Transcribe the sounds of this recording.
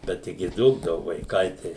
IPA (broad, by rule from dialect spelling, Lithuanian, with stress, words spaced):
ˈbʲɛt ˈtʲɪɡʲɪ ˈduːɡdɐʋʊ ʋɐɪˈkɐɪ tɐɪ